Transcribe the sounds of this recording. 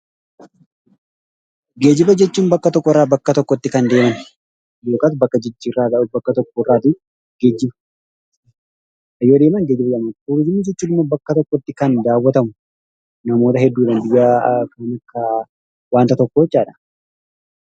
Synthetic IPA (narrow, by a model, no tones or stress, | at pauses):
ɡe̞ːd͡ʒɪbɐd͡ʒɛt͡ʃːuːnbɐkːɐt̪ɔkːɔɪrːaːbɐkːɐt̪ɔkːɔt̪ːɪkɐnd̪e̞ːmɐn | joːkaːt̪bɐkːɐd͡ʒɪd͡ʒːiːrːaːɡ̪ɐʔʊbɐkːɐt̪ɔkːɔɪrːaːt̪ɪ | ɡe̞ːd͡ʒːɪbɐ | ɐjːoːd̪eːmɐŋɡeːd͡ʒɪbɐd͡ʒɐmat̪uɾɪd͡ʒɪmːid͡ʒɛt͡ʃːuːnɪmːoːbɐkːɐt̪ɔkːɔt̪ːɪkɐnd̪aːwːɐt̪ɐmʊ | nɐmo̞ːt̪ɐɦɛd̪ːuːᶑɐnd̪ɪɡaːkɐnɐkːɐ | waːnt̪ɐt̪ɔkːoːt͡ʃːaːᶑɐ̥